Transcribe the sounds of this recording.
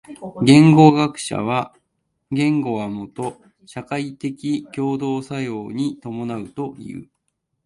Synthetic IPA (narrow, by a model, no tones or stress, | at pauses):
ɡẽ̞ŋɡo̞ɡakɯ̟̥ɕa̰βa | ɡẽ̞ŋɡo̞βamo̞t̪o̞ | ɕakait̪e̞kʲikʲo̞ːd̪o̞ːsajo̞ːɲ̟it̪o̞mo̞naɯ̟t̪o̞ḭɯ̟ɯ̰